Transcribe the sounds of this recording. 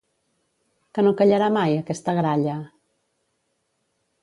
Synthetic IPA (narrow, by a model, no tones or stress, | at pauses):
kənokəʎəɾamajəkɛst̪əɣɾaʎə